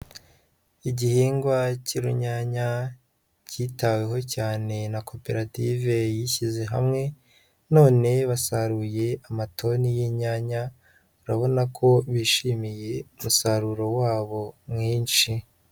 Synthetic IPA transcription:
iɟihiːŋɡwaciɾuɲaːɲa | citawe̞ɦo̞caːne̞nako̞pe̞ɾative̞jiçize̞ɦa̰mŋe̞ | no̞ːne̞βasaɾuːje̞amatʰo̞nijiɲaːɲa | uɾaβo̞nakʰo̞βiːʃiːmije̞umusaɾuɾo̞waːβo̞mŋiːnʃi

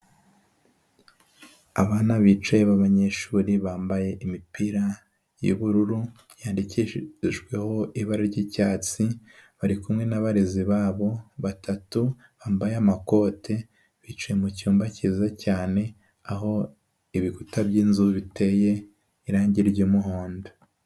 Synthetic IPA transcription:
aβaːnaβit͡ʃajeβaβaɲe̞ʃuːɾiβaːmbaje̞ʔimipiɾa | jṵβuɾuɾu | jaːndiciʒɡwe̞ho̞iβaɾaɾɟiːcaːt͡siβaɾikumŋe̞naβaɾeziβaːβo̞βatʰatu | βaːmbajeamako̞ːtʰe̞ | βiːt͡ʃajemucuːmbaciːzacaːne̞ | aɦo̞ | iβikutabjiːnzuβitʰe̞je̞ | iɾaːɲɟiɾjomuhoːndo

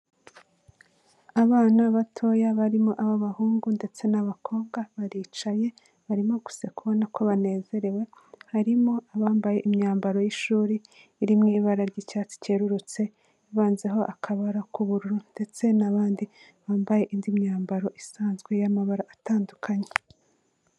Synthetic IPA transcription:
aβaːnaβatʰo̞jaβaɾimoʔaβaβahuːŋɡunde̞t͡se̞naβakʰo̞ːβɡaβaɾiːt͡ʃaje̞ | βaɾimo̞ɡu̥se̞kuβo̞nakʰo̞βane̞ːze̞ɾe̞we̞haɾimo̞aβaːmbaje̞ʔimɲaːmbaɾo̞jiʃuːɾiː | ɾimŋiːβaɾaɾɟicaːt͡si̥ce̞ɾuɾut͡se̞ | iβaːnze̞ɦo̞ʔakʰaβaɾakuβuɾuɾunde̞t͡se̞naβaːndi | βaːmbajeʔindimɲaːmbaɾo̞ʔisaːnzɡwe̞jamaβaɾaʔataːndukʰaɲe

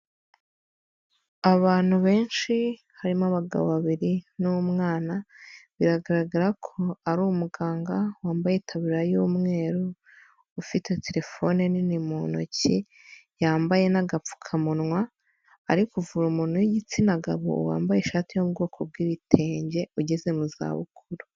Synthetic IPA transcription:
aβaːn̥huβe̞ːnʃi | haɾimaβaɡa̰βoβaβiɾinumŋaːnaβiɾaɡaɾaɡaɾakʰo̞aɾuːmuɡaːŋɡawaːmbajitʰaβiɾajuːmŋe̞ːɾuː | fitʰe̞te̞ɾe̞fo̞neninimono̰ci | jaːmbaje̞naɡap͡fu̥kʰamunŋwaː | ɾikuvuɾumuːn̥hujiɟit͡sinaɡaβo̰wa̰ːmbajeʃaːtijobɡo̞ːkʰob̚ɡiːβitʰe̞ːɲɟe̞uɟeze̞muza̰ːβṵkʰuɾu

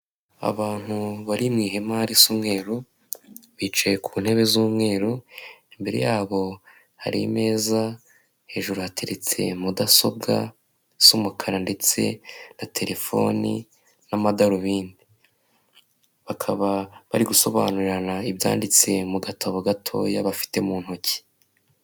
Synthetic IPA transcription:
a̰βaːn̥huβaɾimŋiːɦe̞maɾisuːmŋe̞ːɾu | βit͡ʃajekʰuːn̥he̞βe̞zuːmŋe̞ːɾuimbe̞ɾe̞̰jaːβo̞ | ha̰ɾḭme̞ːza | he̞ːʒuɾuhatʰe̞ɾe̞t͡se̞̰mudaso̞b̚ɡa̰ | sumukʰaɾande̞t͡se̞̰natʰe̞ɾe̞fo̞̰nḭ | namadaɾuβiːndi | βakʰaβaβaɾiɡuso̞βa̰ːnuɾiɾanaibja̰ːndit͡se̞muɡatʰaβoɡatʰo̞̰jaβafi̥te̞muːn̥hoci̥

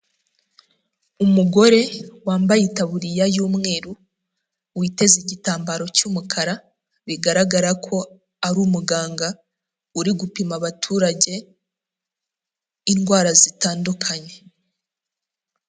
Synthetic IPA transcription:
umuɡo̞ɾe̞waːmbajitaβuɾijajuːmŋe̞ːɾu | wite̞ziɟitaːmbaɾo̞cuːmukʰaɾa | βiɡaɾaɡaɾakʰo̞ | aɾuːmuɡaːŋɡa | uɾiɡupimaβatʰuːɾaɟe̞ | inɡwaːɾazitaːndukʰaɲe̞

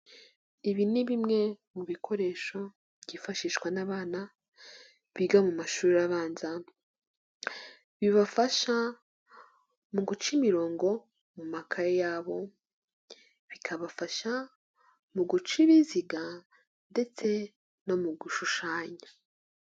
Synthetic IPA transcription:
iβiniβimŋe̞muβikʰo̞ɾe̞ːʃo̞ | ɟifaʃiːʃɡwanaβaːna | βiɡamumaʃuːɾiaβaːnza | βiβafaʃa | muɡut͡ʃimiɾo̞ːŋɡo̞ | mumakʰaɾejaːβo̞ | βikʰaβafaʃa | muɡut͡ʃiβiziɡa | nde̞t͡se̞ | no̞muɡuʃuʃaːɲa

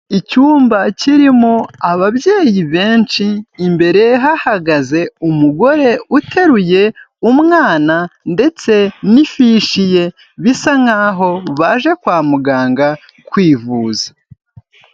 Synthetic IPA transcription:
icuːmbaciɾimo̞aβaβje̞ːjiβe̞ːnt͡ʃiːmbe̞ɾe̞ɦahaɡaze̞umuɡo̞ɾe̞utʰe̞ɾuje̞ | umŋaːnande̞t͡se̞nifiʃije̞ | βisaŋaɦo̞βaʒe̞kwaːmuɡaːŋɡa | kwiːvuːzḁ

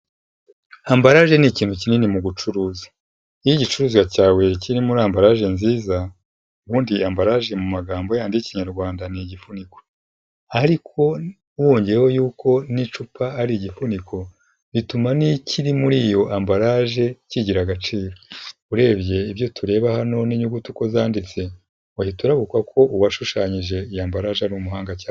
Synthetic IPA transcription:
hambaɾaʒe̞niciːnhucininimuɡut͡ʃuɾuːzḁ | ijiɟit͡ʃuɾuːzwacaːwe̞ciɾimuɾaːmbaɾaʒe̞nziːza | uβuːndiambaɾaʒe̞mumaɡaːmbo̞jaːndiciɲaɾɡwaːndaniɟifuniko̞ | aɾikʰo̞ | uwo̞ːɲɟejeho̞juːko̞nit͡ʃupʰaːɾiɟifunikʰo̞ | ɾitumaniciɾimuɾiːjo̞ʔambaɾaʒe̞ciɟiɾaɡat͡ʃiːɾouɾe̞ːbje̞iβjo̞tʰuɾe̞ːβahano̞niɲuɡutuko̞zaːndit͡se̞ | wahituɾaβukwakʰo̞ʔuwaʃuʃaːɲiʒe̞ijaːmbaɾaːʒeanɾumuhaːŋɡaca

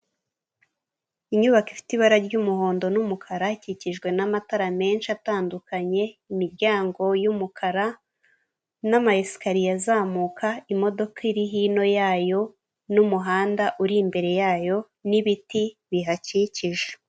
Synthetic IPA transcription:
iɲuβakifi̥tiβaɾaɾɟuːmuɦo̞ːndo̞numukʰaɾaciciʒɡwe̞namataɾame̞ːnʃiataːndukaɲe̞imiɾɟaːŋɡo̞jumukʰaɾa | namaesi̥kaɾijazaːmuːkʰaimo̞do̞kaiɾiɦiːno̞jaːjo̞ | numuɦaːndaʔuɾimbe̞ɾe̞jaːjo̞ | niβitiβiɦaciciʒe

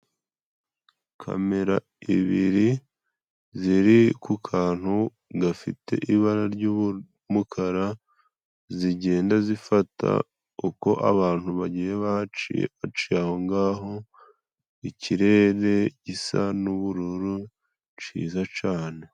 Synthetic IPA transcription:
kʰa̰me̞ɾa̰ | ḭβiɾi | ziɾikukʰaːn̥hu | ɡafḭte̞̰ʔiβaɾaɾɟu | mukʰaɾa | ziɟe̞ːndazifatʰa̰ | uko̞ʔa̰βaːn̥huβaɟijeβat͡ʃḭβat͡ʃiaho̞ŋɡaːɦo̞ | iciɾe̞ːɾe̞ɟisanuβuɾuɾu | t͡ʃḭːzat͡ʃaːne̞

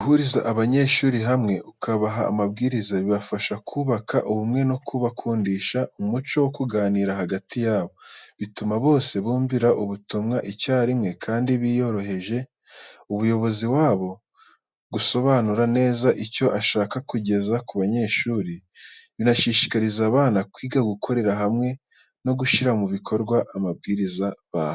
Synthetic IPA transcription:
uhuɾiza̰ʔːβaɲe̞ːʃuːɾiɦamŋe̞ʔukʰaβaɦa̰ːmabɡiːɾizaβiβafaʃakʰuːβakaʔuβumŋe̞nokʰuβakʰuːndiːʃaumut͡ʃo̞wokuɡaːniːɾaɦaɡatʰijaːβo̞βitumaβo̞ːse̞βuːmviɾaʔuβutumŋaʔicaːɾimŋe̞kʰaːndiβijo̞ɾo̞ɦe̞ʒe̞ | uβujo̞βo̞ziwaːβo̞ | ɡuso̞βaːnuɾane̞ːzaʔico̞ʔaʃaːkakuɟe̞zakuβaɲe̞ːʃuːɾiβinaʃiːʃi̥kaɾizaːβaːnakwiːɡaɡukʰo̞ɾe̞ɾaɦamŋe̞ | no̞ɡuʃiɾamuβikʰo̞ɾɡwaʔamabɡiːɾizaβaːho

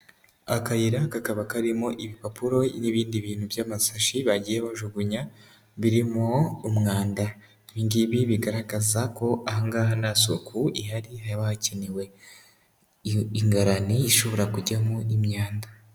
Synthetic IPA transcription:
akajiɾakakaβakaɾimoʔiβipapuɾo̞niβiːndiβiːn̥huβjaːmasaʃiβaɟijeβoʒuɡuɲa | βiɾimoumŋaːnda | βiŋɡiβiβiɡaɾaɡazako̞ʔahaŋɡaɦanasokʰuihaɾihaaβahaciniwe̞ | iŋɡaɾaniːʃo̞βo̞ɾakuɟamuimɲaːnda

